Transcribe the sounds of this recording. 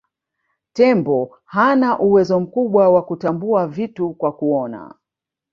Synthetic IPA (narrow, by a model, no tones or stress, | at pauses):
tɛmbɔ | hanaʔuwɛzɔm̩kuɓwawakutambuavitukwakuɔna̰